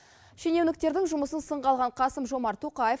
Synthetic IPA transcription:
ʃenewnɪk̚t̪e̞ɾd̪ɪŋʒʊməsənsəɴʁɑlˠʁɑɴqʰɑsəmʒo̞mɑɾt̪ʰoqɑje

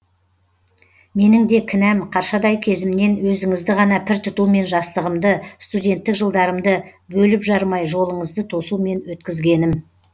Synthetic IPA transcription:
me̞nɪŋd̪e̞kʲʰɪnæmqʰɑɾʃɑd̪ɑjkʲʰe̞zɪmne̞nwɵzɪŋɪzd̪ɪʁɑnɑpʰɪɾt̪ʰʊt̪ume̞nʒɑst̪əʁəmd̪əst̪ud̪ʲe̞nt̪ːɪkʒəlˠd̪ɑɾəmd̪əbɵlɪpʒɑɾmɑjʒo̞lˠəɴəzd̪ət̪ʰo̞sume̞nwɵt̪kʲɪzɡʲe̞nɪm

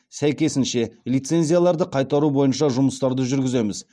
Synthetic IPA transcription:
sæjkʲe̞sɪnʃe̞lijt̪se̞nzʲijalˠɑɾd̪əqʰɑjt̪ɑɾubo̞jənʃɑʒʊməst̪ɑɾd̪əʒʏɾɡʲɪze̞mɪz

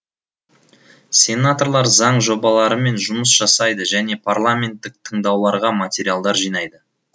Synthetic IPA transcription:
sʲe̞nat̪o̞rlˠɑɾzɑɴʒo̞bɑlˠɑɾəme̞nʒʊməsʒ̥ɑsɑjd̪əʒæne̞pʰarlˠamʲe̞nt̪ːɪk̚t̪ʰəɴd̪ɑwlˠɑɾʁɑmat̪ʲe̞ɾialˠd̪ɑɾʒijnɑjd̪ə

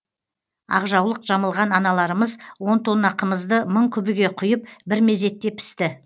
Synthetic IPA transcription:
ɑ̰ʁʒɑwlˠəqʒ̥ɑməlˠʁɑnɑnɑlˠɑɾəməzwo̞nt̪ʰonɑqəməzd̪əməɴkʲʰʏbɪɡʲe̞qʰʊjəp̚bɪɾme̞ze̞t̪ːe̞pʰɪ̥st̪ɪ

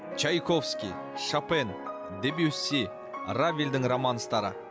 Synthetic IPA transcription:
t͡ʃʰajkʰofskʲi | ʃapen | d̪ebiusʲːi | ravʲild̪ɪŋromɑnəst̪ɑɾə̰

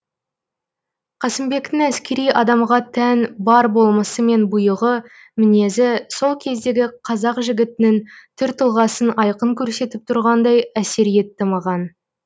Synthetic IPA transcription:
qʰɑsɪmbe̞kt̪ɪŋæskʲe̞ɾijɑd̪ɑmʁɑt̪ʰænbɑɾbo̞lˠməsəme̞nbʊjəʁə | mɪne̞zɪso̞lˠkʲʰe̞zd̪e̞ɡʲɪqʰɑzɑqʒɪɡʲɪt̪ɪnɪŋt̪ʰʏɾt̪ʰəlˠʁɑsənɑjqəŋkʲʰɵɾse̞t̪ɪp̚t̪ʰʊɾʁɑnd̪ɑjæse̞ɾije̞t̪ːɪmɑʁɑn

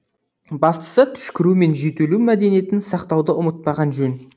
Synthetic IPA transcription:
bɑst̪ə̥sət̪ʰʏ̥ʃkʲɪɾume̞nʒet̪elumæd̪e̞nije̞t̪ɪnsɑqt̪ɑwd̪əʊmət̪̚pɑʁɑnʒɵn

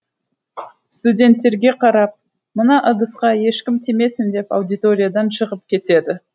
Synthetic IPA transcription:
st̪udʲe̞nt̪ːe̞ɾɡʲe̞qʰɑɾɑp̚ | mənɑʔəd̪əsqɑje̞ʃkʲɪmt̪ʰeme̞sɪnd̪e̞pa̰wd̪ijt̪o̞ɾʲijad̪ɑnʃəʁəp̚kʲʰe̞t̪e̞d̪ɪ

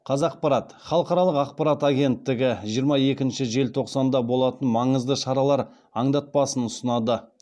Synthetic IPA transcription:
qʰɑzɑq̚pɑɾɑt̪χɑlˠəqɑɾɑlˠəqɑqpɑɾɑt̪aɡʲe̞nt̪ːɪɡʲɪʒijəɾmɑje̞kʲɪnʃɪʒe̞lt̪ʰo̞qsɑnd̪ɑbo̞lˠɑt̪ənmɑɴəzd̪əʃɑɾɑlˠɑɾ | ɑɴd̪ɑt̪̚pɑsənʊsənɑd̪ə

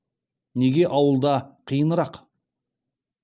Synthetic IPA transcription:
ne̞ɡʲe̞ʔɑwəlˠd̪ɑqʰijənəɾɑq

